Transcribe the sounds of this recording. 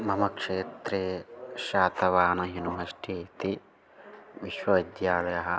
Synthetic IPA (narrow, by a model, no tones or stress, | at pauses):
mɐmɐkʂeːt̪ɾeʃaːt̪ɐʋaːnɐɦinuɦɐsʈiːt̪i | ʋiʃʋɐʋid̪jaːlɐjɐɦɐ̆